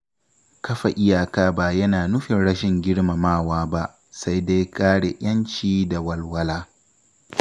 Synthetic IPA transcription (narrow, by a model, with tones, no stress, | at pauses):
kɐ˦ɸa˨ʔɪ˦jaː˨kaː˦ba˦˨jɐ˦naː˨nʊ˦ɸɪ˨nɽɐ˦ʃɪ˨ŋɡʲɪ˦ɽma˨maː˦˨waː˦ba˦ʔ | sa˦jda˦jkaː˦ɽe˨ʔʲɐ˦nt͡ʃiː˦da˨wɐ˦lwɐ˦laː˦